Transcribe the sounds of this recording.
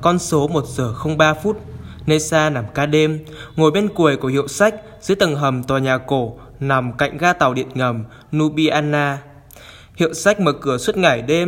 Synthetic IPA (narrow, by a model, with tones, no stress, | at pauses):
kɔ˧nso˨˦mo˨˩t̚z̥əː˨˩xə˧wŋ͡mɓaː˧fu˦˥t̚ne˧saː˧na˨˩mkaː˧ɗe˧m | ŋo˨˩jɓe˧nku˨˩əjku˧˩əhḭ˧˨əwsa˦˥jk̟̚ | zɨ̰˧˥t̪ə˨˩ŋɦə˨˩mt̪waː˨˩ɲaː˨˩ko˧˩ | na˨˩mka̰˧˨jŋ̟ɣaː˧t̪a˨˩wɗḭ˧˨ənŋə˨˩m | nu˧ɓi˧ʔaː˧nːaː˧ | hḭ˧˨əwsa˦˥jk̚məː˨˩kɨ˧˩əswə˦˥t̚ŋa˧˩jɗe˧m